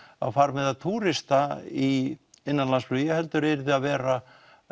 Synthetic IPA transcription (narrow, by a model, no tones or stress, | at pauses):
a̰wfaːɾmɛðaðt̪ʰuːɾɪst̪aiɪnːanlansflʏjɛhɛlt̪ʏɾɛɾðɪaðvɛːɾa